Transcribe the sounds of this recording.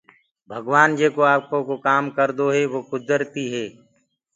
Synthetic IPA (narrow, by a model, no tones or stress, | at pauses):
bʱəɡʋaːnd͡ʒeːkoːaːkõːkokaːmkəɾd̪oːɦɛːʋoːkʊd̪əɾt̪iːɦɛː